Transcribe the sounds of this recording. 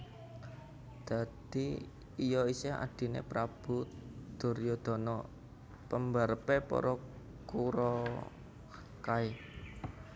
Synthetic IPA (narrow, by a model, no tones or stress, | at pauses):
d̪̥ä̤d̪̥i | ijɔisea̰d̪̥i̤nḛpɾab̥ṳd̪̥o̤ɾjɔd̪̥ɔ̤nɔ | pəmbaɾpepɔ̰ɾɔ | kuɾɔ | kae